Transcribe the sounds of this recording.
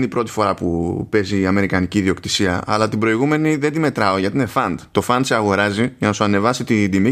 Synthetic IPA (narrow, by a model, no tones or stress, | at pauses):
nipɾo̞t̪i̥fo̞ɾɐpupe̞ziːɐme̞ɾikɐniciðio̞kt̪i̥siɐ̰ɐ̰lɐt̪ibɾo̞iɣume̞niðe̞nd̪ime̞t̪ɾɐo̞ʝɐt̪ine̞fɐnd̪t̪o̞fɐnd̪seɐɣo̞ɾɐzijʝɐnɐsuɐne̞vɐsit̪id̪imi